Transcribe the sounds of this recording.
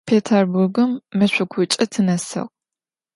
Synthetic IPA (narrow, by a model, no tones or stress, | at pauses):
pʰeːtʰɐrburɡɨmːɐɕʷʊkʷʰʊt͡ʃʼɪtʰɨnɐsɐ̰ʁʷ